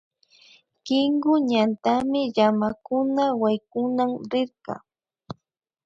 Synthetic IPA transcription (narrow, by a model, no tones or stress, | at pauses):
kɪŋɢʊɲant̪amɪʎamakʊnawajkʊnamɾɪɾqɑ̰